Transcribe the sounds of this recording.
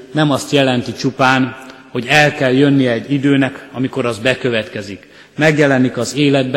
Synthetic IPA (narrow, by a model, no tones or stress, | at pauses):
nɛmɒst̪jɛlɛnt̪it͡ʃupaːnho̞ɟɛlkɛljø̞nːijɛːɟːid̪øːnɛkɒmiko̞ɾɒzbɛkø̞vɛt̪kɛzik | mɛɡjɛlɛnikɒzeːlɛd̪̚b